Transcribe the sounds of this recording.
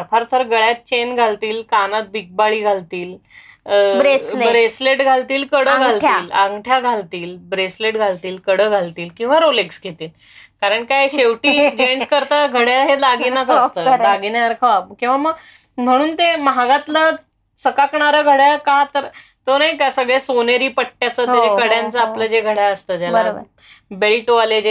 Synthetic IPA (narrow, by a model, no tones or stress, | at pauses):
ɾfʰaɾt̪ʰəɾɡəɭjat̪̚t͡ɕenɡʱalt̪iːlkanat̪̚bʱik̚baɭiːɡʱalt̪iːl | bɾeslbɾesleʈɡʱalt̪iːlkəɽəɡʱalʈʰj̪iːlaŋɡʈʰjaɡʱalt̪iːlbɾesleʈɡʱalt̪iːlkəɽəɡʱalt̪iːlkĩw̃ʋaɾoleksɡʱet̪iːl | kaɾəɳkajɕeʋʈiːɡeɳʈkəɾt̪əɡʱəɽjaɦelaɡinat͡səst̪əːlaɡinaəɾkʰəakĩw̃ʋaməɡ | m̤əɽ̃uːnt̪emɦaɡat̪lə | səkakɳaɾəɡʱəɽjakat̪əɾ | t̪ənaɦikasəɡɭesoneɾiːpəʈʈːjat͡sət̪aekəɽjãnt͡səapləd͡ʑeɡʱəɽjaəst̪əːd͡ʑjalabə̰ | belʈoaled͡ʑe